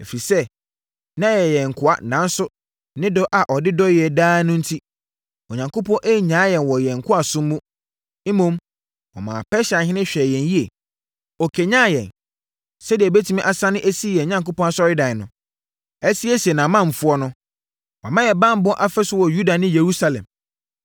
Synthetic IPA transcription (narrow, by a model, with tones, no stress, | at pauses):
e˨fi˨sɛ˦ | nã˦jɛ˨jɛ̃˨ŋ̩˨kʰʊ˨˦a̰˨nã˦n˦sʊ˦ | nɪ̃˦dɔ˦ʔa˨ʔɔ˨dɪ˦dɔ˦jɪ˨ɛ˨daː˦nʊ̃˦n̩˦tʰi˦ | ɔ˨ɲã˨ŋkʰo˦pɔ̃˦ʔe˦˨ɲãː˨˦jɛ̃˨nwɔ˨jɛ˨ŋ̩˨kʰʊ˦a˨sʊ̃˦m˦mũ˦ | m̩˦mõ˦m | ɔ̰˨mã̰ː˨pʰɛ˦ɕa˨hɪ̃˦nɪ̃˦ɕᶣɛ˨jɛ̃˨nji˦e˨ | ɔ˨kʰe˨ɲãː˦jɛ̰̃˨n | sɛ˦dɪ˨ɛ˨be˦tʰi˦mĩ˦ʔa˨sã˦nʊ̃˦ʔe˦si˦jɛ˨ɲã˨˦ŋko˦pʰɔ̃˦a˦sɔ˦ɾɪ˦dã˨nʊ̃˨ | ɛ˦si˦ɛ˦si˨ɛ˨nã˨mã˦m̩˨fʊ˦ɔ˦nʊ̃˦ | wmã˦jɛ˨bã˦m̩˦bɔ˦ʔa˦fɛ˦sʊ˦wɔ˨ju˦da˨nɪ̃˦je˨ɾu˦sa˦lɛ̰̃˨m